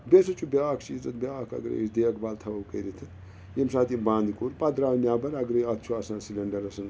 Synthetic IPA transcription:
besɐt͡ʃʰubʲaːkʰt͡ʃiːt͡sɐt̪bʲjaːkʰɐ̰ɡɾḛsd̪eːɐkbaːlt̪ʰɐɐwkəɾit̪ʰɐn | jemsaːt̪ibãːnd̪kuːɾpɐd̪ɾaːwnʲjaːbɐɾɐɡɾɐjɐt̪̚t͡ʃʰuaːsãːnsilʲɐɳɖɐɾɐsɐn

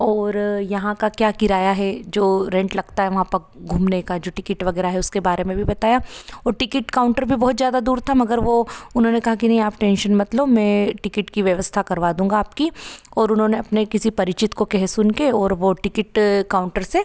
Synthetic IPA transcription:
ɔːɾjɐɦãkakjaːkɪɾaːjaɦɛd͡ʒoːɾɛ̃ɳʈlɐɡt̪aɦɛʋɐɦãpɐɾ | ɡʱuːmnekad͡ʒoːʈɪkɪʈʋɐɡɛːɾaɦɛʊskebaːɾemẽbʱibɐt̪aːjaɔːɾʈɪkɪʈkaːʊ̃ɳʈəɾbʱibɔɦːt̪zjaːd̪ad̪uːɾt̪ʰamɐɡəɾʋoʊnɦõnekɐɦakinɐɦĩaːpʈɛ̃ːnʃənmɐt̪lobmɛ̃ːʈɪkɪʈkiʋjɐʋəst̪ʰakɐɾʋaːd̪ũːŋɡaːpkiɔːɾʊnɦõːneɐpnekɪsipɐɾɪt͡ʃɪt̪kokɛɦsʊnkeɔːɾʋoʈɪkɪʈkaːʊ̃ɳʈəɾse

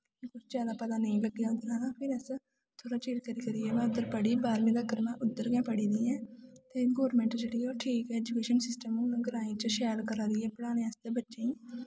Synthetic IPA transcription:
kʊt͡ʃʰt͡ʃaːd̪aːpət̪aːnəĩləɡːeãnd̪ɾãːd̪ãːpʰɪɾɛs | t̪ʰoːɽaːt͡ʃeːlkəɾiːkəɾiːɛːmɛ̃ːʊd̪əɾpəɽiːbaːɾmẽːd̪aːkəɾmãːʔʊd̪ːəɾɡjãːpəɽiːd̪iːɛ̃ːt̪eːɡɔːɾmɛ̃ːɳʈd͡ʒeːɽiːɛoːʈʰiːkɛːɛːd͡ʒukeːʃənsɪsʈəmũːɡəɾaːĩːt͡ʃəʃɛːlkəɾaɾiːɛːpəɽaːnẽːɛsd̪eːbətːʃẽːĩː

